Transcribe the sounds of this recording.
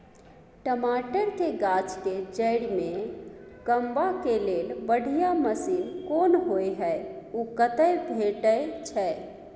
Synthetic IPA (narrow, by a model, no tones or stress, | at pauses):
ʈəmaʈəɾk̪eɡat͡ʃked͡ʒəɪɽmekəmbakelelbəɽ̤ʱijaməsinkonɦojɦəukət̪əjbʱeʈəjt͡ʃʰɛ